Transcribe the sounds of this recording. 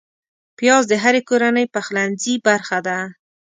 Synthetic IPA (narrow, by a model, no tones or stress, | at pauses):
pjɑzd̪əɦaɾekoɾanəjpaxlanzibaɾxad̪a